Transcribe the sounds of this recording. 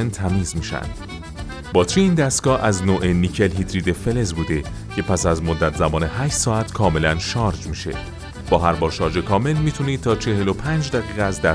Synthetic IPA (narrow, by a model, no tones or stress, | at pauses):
nt̪ʰæmiːzmiːʃæ̰nd̪̥ | bɒːt̪ʰɾiiːnd̪æst̪ɡɒːʔæznoːʔeniːcʰe̞lɦid̪ɾiːd̪e̞fe̞le̞zbuːd̪e̞ | cʰe̞pʰæsæzmod̪ːæt̪ʰzæmɒːne̞ɦæːʃt̪sɒːæt̪ʰkʰɒːme̞lænʃɒːɾd͡ʒmiːʃe̞̰ | b̥ɒːɦæɾbɒːɾʃɒːɾd͡ʒe̞kʰɒːme̞lmiːt̪ʰuniːd̪̚t̪ʰɒːt͡ʃʰe̞he̞lo̞pʰæːnd͡ʒd̪æɣiːɣeæzd̪æ